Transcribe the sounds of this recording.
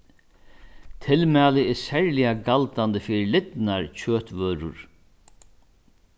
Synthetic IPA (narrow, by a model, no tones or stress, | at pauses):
t̪ʰɪlmɛːlɪɛsɛɹlɪjaɡalt̪and̪əfɪːɾɪlɪt̪naɹt͡ɕʰøːt̪ʋœːɾʊ̰ɹ